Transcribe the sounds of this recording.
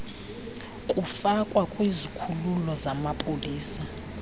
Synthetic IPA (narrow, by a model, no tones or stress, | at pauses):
kʼufakʼwakʼwizikʰululɔzamapʼoliːsa